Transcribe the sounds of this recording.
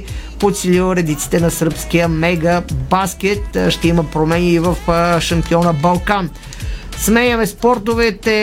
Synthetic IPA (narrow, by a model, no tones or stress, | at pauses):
pot̪sililˠɾɛd̪it̪si̥t̪ɛnɐsəɾpskijəmɛɡəbaskɛt̪ʃt̪ɛiməpɾomɛniːvəfʃɐmpiɔnəbɐlˠkan | smɛjəmɛspɔɾt̪ovɛt̪ɛ